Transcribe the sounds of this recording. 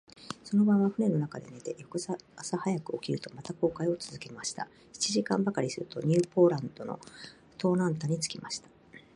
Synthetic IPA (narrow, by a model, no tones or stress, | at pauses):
so̞no̞bãɰ̃βaɸɯ̟ne̞no̞nakad̪e̞ne̞t̪e̞jokɯ̟zaːsahajakɯ̟o̞kʲiɾɯ̟t̪o̞mat̪ako̞ːkaio̞t͡sɨzɨke̞maɕi̥t̪a̰ | çi̥t͡ɕiʑikãmbakaɾʲisɨɾɯt̪o̞̰ɲ̟ʲɨːpo̞ːɾãnd̪o̞no̞̰ | t̪o̞ːnãnt̪aɲ̟it͡sɨ̥kʲimaɕi̥t̪ḁ